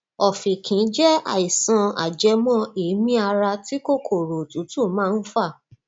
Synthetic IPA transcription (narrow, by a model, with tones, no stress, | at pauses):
ɔ˨fĩ˨kʰĩ˨˦d͡ʒɛ˦a̰˨i˨sã˧a̰˨d͡ʒɛ˧mɔ̃˦i˨˦mĩ˦a˧ɾa˧ti˦ko˦˨kʰo˦˨ɾo˨tũ˨˦tũ˦˨mãː˦˧n̩˦fa˦˨